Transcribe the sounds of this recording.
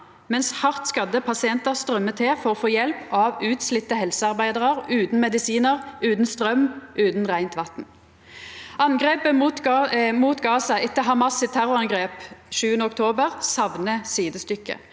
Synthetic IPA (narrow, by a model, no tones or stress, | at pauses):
mɛnshɑʁt̪skɑd̪ːəpʰɑsɪɛnt̪əʁst̪ʁœmːət̪ʰɛfɔʁɔfoːjɛlpɑʋʉːt̪slɪt̪ːəɦɛlsəɑʁbæɪd̪əʁəʁʉːt̪n̩mɛd̪ɪsiːnəʁʉːt̪n̩st̪ʁœmʔʉːt̪n̩ʁæɪnt̪ʋɑt̪n̩ | ʔɑnɡʁeːpəmut̪muːt̪ɡɑːsɑʔɪt̪ːəɦɑmɑsət̪ʰæʁʊʁɑnɡʁeːpʃʉːənəɔkt̪ʰoːbəʁsɑʋnəsiːd̪əst̪ʏkːə̰